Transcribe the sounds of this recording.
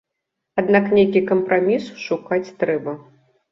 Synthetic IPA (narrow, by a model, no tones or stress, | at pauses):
ad̪naknʲejkʲikɐmpɾamʲisʂukat͡sʲt̪ɾɛbɐ